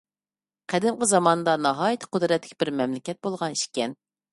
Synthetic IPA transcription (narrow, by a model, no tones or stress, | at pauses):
qʰæd̪ɪmqəzɑmɑnd̪ɑnɑɦɑːjit̪ʰɨ̥qʰʊd̪ɾɛt̪ʰːɪ̥kʲbɪɾmɛmlɪkʲʰɛt̪̚bolˠʁɑniʃkʲɛn